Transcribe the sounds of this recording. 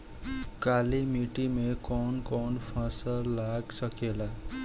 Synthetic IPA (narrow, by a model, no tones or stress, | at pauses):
kalimiʈimekonkonpʰʌ̃sʌlaɡsʌkela